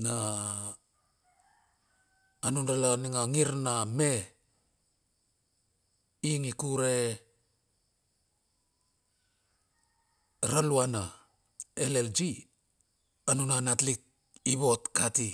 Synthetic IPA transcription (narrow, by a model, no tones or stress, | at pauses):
na | nundalaniŋaŋiɾname | iŋikuɾe | ɾaluana | eleld͡ʒi | anunanatlik̚ | iβo̞tkati